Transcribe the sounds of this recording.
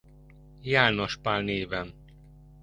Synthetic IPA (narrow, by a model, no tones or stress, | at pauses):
jaːno̞ʃpalneːvɛn